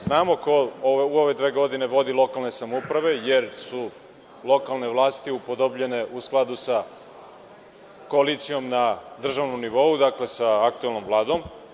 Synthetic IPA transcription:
znaːmo̞koouoʋe̞d̪ʋe̞ːɡo̞d̪ine̞ʋo̞d̪ilˠo̞kalˠne̞samoupɾaʋe̞je̞ɾsu | lo̞kalˠne̞ʋlˠaːst̪iupo̞d̪obʎe̞ne̞ʔusklˠad̪usa | ko̞alit̪sijo̞mnad̪r̩ʒaʋnomniʋo̞ud̪akle̞saak̚t̪ue̞lˠno̞mvlˠaːd̪o̞m

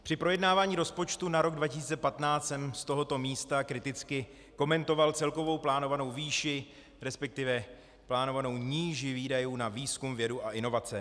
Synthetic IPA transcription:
pr̥ɪpɾo̞jɛdnaːvaːɲiːɾo̞spo̞t͡ʃt̪unaɾo̞ɡdvacɪsiːt͡sɛpat̪naːsɛmst̪o̞ɦo̞t̪o̞miːst̪akɾɪt̪ɪt͡skɪ | ko̞mɛnt̪o̞valt͡sɛlko̞vo̞wplaːno̞vano̞wviːʃɪ | ɾɛspɛk̚t̪ɪvɛ | plaːno̞vano̞wɲiːʒɪviːdajuːnaviːskumvjɛduʔaʔɪno̞vat͡sɛ

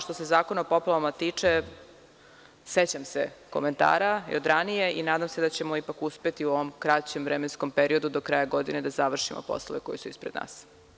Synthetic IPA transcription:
ʃt̪o̞se̞zaːkonaopo̞plaʋamat̪iːt͡ʂe | set͡ɕamsḛko̞̰me̞nt̪a̰ːɾajod̪ɾanije̞ʔinaːd̪amse̞d̪at͡ɕe̞mo̞ipakuspe̞t̪iuoʋomkɾat͡ɕemʋɾemensko̞mpeɾio̞d̪ud̪okɾaːjaɡo̞d̪ined̪azaʋr̩ʃimo̰po̰slˠoʋekojisuispɾed̪na̰ːs

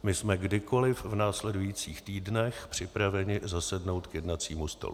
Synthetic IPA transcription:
mɪsmɛɡdɪko̞lɪfvnaːslɛdujit͡siːxt̪iːdnɛxpr̥ɪpɾavɛɲɪzasɛdno̞wt̪kjɛdnat͡siːmust̪o̰lu

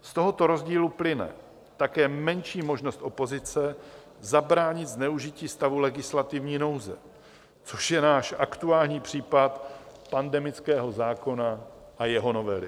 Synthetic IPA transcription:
st̪o̞ɦo̞t̪o̞ɾo̞zɟiːluplɪnɛ̰ | t̪akɛːmɛnʃiːmo̞ʒnost̪ʔo̞po̞zɪt͡sɛ | zabɾaːɲɪt̪znɛuʒɪciːst̪avulɛɡɪslat̪ɪvɲiːno̞wzɛ̰ | t͡so̞ʃjɛnaːʃʔakt̪uaːlɲiːpr̝̥iːpat̪pandɛmɪt͡skɛːɦo̞zaːko̞na | ʔajɛɦo̞no̞vɛlɪ̰

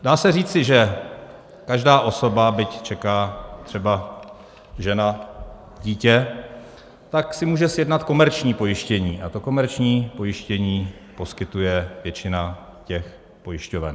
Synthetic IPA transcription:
daːsɛriːt͡sɪʒɛ | kaʒdaːʔo̞so̞babɪct͡ʃɛkaːt̪r̝̥ɛba | ʒɛna | ɟiːcɛ | t̪aksɪmuːʒɛsjɛdnat̪ko̞mɛɾt͡ʃɲiːpo̞jɪʃcɛɲiːʔat̪o̞ko̞mɛɾt͡ʃɲiːpo̞jɪʃcɛɲiːpo̞skɪt̪ujɛvjɛt͡ʃɪna | cɛx | po̞jɪʃcovɛ̰n

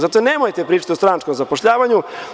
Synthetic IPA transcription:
zat̪oneːmojt̪epɾiːt͡ʃḁt̪iost̪ɾanat͡ʃko̞mzapoʃʎaːʋaɲu

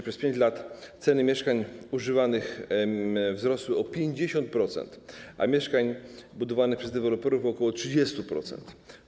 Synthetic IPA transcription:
pʂɛspʲjẽɲd͡ʑlat̪t̪sɛnɘmʲjɛʂkaɲuʐɘvanɘx | vzɾɔswɘɔpʲjeɲd͡ʑeɕɔnt̪̚pɾɔt̪sɛ̰nt̪ʔa̰mʲjɛʂkaɲbud̪ɔvanɘxpʂɛzd̪ɛvɛlɔpɛɾufɔkɔwɔtʂɘd͡ʑɛst̪upɾɔ̰t̪sɛ̰nt̪

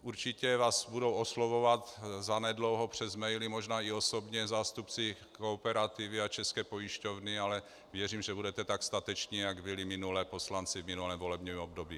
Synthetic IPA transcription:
ʔuɾt͡ʃicɛvaːsbudowoslovovat̪zanɛdlowɦopr̝̥ɛzmɛjlɪmoʒnaːiosobɲɛzaːst̪upt͡sɪ | koːpɛɾat̪ivɪat͡ʃɛskɛːpo̞jiʃcovnɪalɛ | vjɛriːmʒɛbudɛt̪ɛt̪akst̪at̪ɛt͡ʃɲiːjaɡbɪlɪmɪnulɛːpo̞slant͡sɪvmɪnulɛːmvo̞lɛbɲimobdobiː

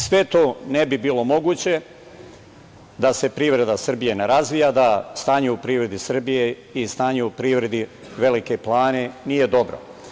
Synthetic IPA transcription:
sʋe̞t̪o̞ːnebibiːlo̞mo̞ɡuːt͡ɕe̞ | d̪ase̞pɾiːʋɾe̞d̪asr̩bije̞neɾazʋijad̪ast̪aːɲeupɾiːʋɾe̞d̪isr̩bije̞ | ist̪aːɲeupɾiʋɾe̞d̪i | ʋe̞like̞plˠaːne̞nije̞d̪o̞bɾo̰

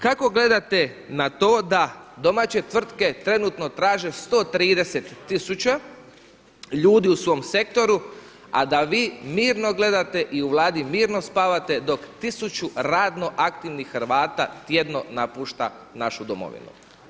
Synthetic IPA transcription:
kako̞ɡle̞d̪at̪e̞nat̪o̞ːd̪ad̪o̞maːt͡ɕe̞t̪ʋr̩t̪ke̞t̪ɾe̞nut̪no̞t̪ɾaːʒe̞st̪o̞ːt̪ɾiːd̪e̞se̞t̪ːisut͡ɕa | ʎuːd̪iusʋo̞mse̞k̚t̪o̞ɾu | a̰d̪aʋiːmiːɾno̞ɡle̞d̪at̪e̞ʔiuʋlˠaːd̪imiːɾno̞spaːʋat̪e̞d̪o̞kt̪isut͡ʃuɾaːd̪no̞ʔak̚t̪iʋnixːrʋaːt̪at̪je̞d̪no̞napuːʃt̪a | naʃud̪o̰mo̰ʋḭnṵ

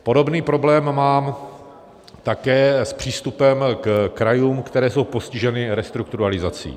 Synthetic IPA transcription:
po̞do̞bniːpɾo̞blɛːmːaːm | t̪akɛːspr̝̥iːst̪upɛmkkɾajuːmkt̪ɛɾɛːso̞wpo̞scɪʒɛnɪɾɛst̪ɾuk̚t̪uɾalɪzat͡sḭː

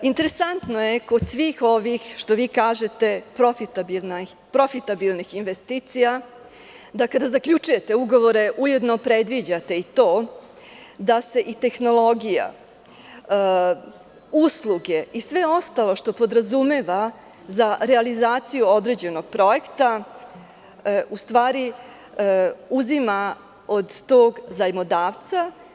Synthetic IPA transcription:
int̪e̞ɾesant̪no̞je̞ko̞d̪sʋixo̞ʋixʃt̪oʋiːkaːʒet̪e̞pɾofit̪abilna | pɾo̞fit̪abilnixinʋest̪iːt̪sija | d̪akad̪azakʎʲut͡ʃuje̞t̪e̞uɡo̞ʋo̞ɾe̞ʔuje̞d̪nopɾe̞d̪ʋid͡ʑat̪e̞it̪o̞ː | d̪ase̞ʔit̪e̞xno̞lˠo̞ɡija̰ | uslˠuɡe̞isʋe̞o̞st̪alo̞ʃt̪o̞po̞d̪ɾazumeʋa | zaɾealizaːt̪sijuo̞d̪ɾe̞d͡ʑe̞no̞ɡ̥̚pɾo̞e̞kt̪a | ust̪ʋaːɾi | uzima | o̞d̪t̪o̞ːɡzajmod̪aːʋt̪sa

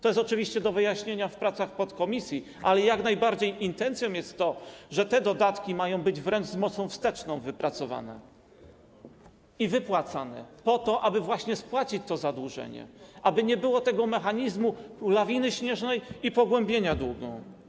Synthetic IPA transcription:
t̪ɔjɛst̪ɔt͡ʂɘvʲiɕt͡ɕɛd̪ɔvɘjaɕɲeɲafpɾat̪saxpɔt̪kɔmʲisʲji | ʔalɛjaknajbaɾd͡ʑejint̪ɛnt̪sʲjɔ̃w̃jɛst̪ːɔʐɛt̪ɛd̪ɔd̪at̪kʲimajɔ̃w̃bɘd͡ʑvɾɛnʐzmɔt̪sɔ̃w̃fst̪ɛt͡ʂnɔ̃w̃vɘpɾat̪sɔva̰nɛ̰ | ivɘpwat̪sanɛ̰pɔt̪ɔʔabɘvwaɕɲɛspwat͡ɕit͡ɕt̪ɔzad̪wuʐɛ̰ɲɛ̰ʔabɘɲɛbɘwɔt̪ɛɡɔmɛxaɲizmulavʲinɘɕɲɛʐnɛjipɔɡwɛmbʲjeɲad̪wuɡɔ̰̃w̃

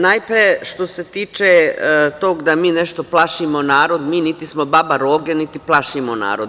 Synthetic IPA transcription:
najpɾieʃt̪o̞set̪iːt͡ʃet̪oːɡd̪amiːneʃt̪oplˠaʃimonaːɾo̞d̪miːnit̪ismobabaɾoːɡenit̪iplˠaʃimona̰ːɾod̪

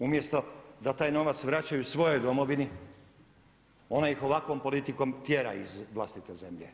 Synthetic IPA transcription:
umje̞st̪o̞d̪at̪aːjno̞ʋat̪sʋɾat͡ɕajuusʋo̞jo̞jd̪o̞mo̞ʋini | o̞naixo̞ʋakʋo̞mpo̞lit̪iko̞mt̪jeɾa̰izʋlˠast̪it̪eze̞mʎḛ

